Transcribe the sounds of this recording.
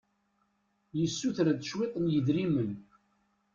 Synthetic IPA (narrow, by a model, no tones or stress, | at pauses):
jəsːuθɾæd̪ʃwet̪ˤənjəðɾimən